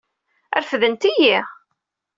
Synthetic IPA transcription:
æ̰ɾfðənt̪iji

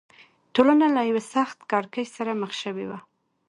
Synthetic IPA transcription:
ʈolanalajawesaxt̪kɑɾkəʃsaɾaməxʃəwewa

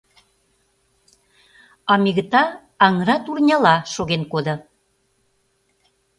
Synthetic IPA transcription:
ɑmiɣət̪ɑː | ŋɾɑt̪urnʲɑlɑʃoɣenkod̪ɤ̆

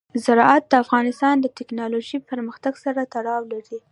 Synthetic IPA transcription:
zaɾɑat̪̚d̪əafɣɑnɪst̪ɑnd̪ət̪ɪknɑloʒipəɾməxt̪aɡsaɾat̪aɽɑwlaɾi

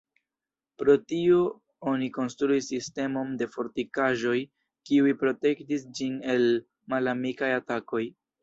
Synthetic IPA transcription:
pɾo̞tio̞ | o̞niko̞nstɾuisːiste̞mo̞nde̞fo̞ɾtikaʒo̞j | kiujpɾo̞te̞ktisd͡ʒine̞l | malamikajatako̞j

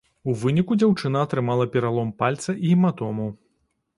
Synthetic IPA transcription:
uvɨnʲikud͡zʲawt͡ʂɨnɐːt̪ɾɨmalˠɐpʲɛɾalˠɔmpalʲt̪sɐʔiimat̪ɔmɐw

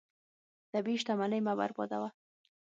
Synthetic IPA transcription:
d̪̥abiʃt̪amanəjmaba̰ɾbɑ̰d̪awa

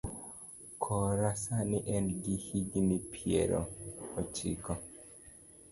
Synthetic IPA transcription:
kʰɔɾasanɪʔɛnɡihiɡnipʰiḛɾɔ̰ɔt͡ʃḭkɔ

